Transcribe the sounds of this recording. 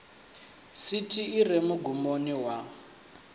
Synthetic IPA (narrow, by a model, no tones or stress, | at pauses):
sitʰiːrɛmuɡumoniwa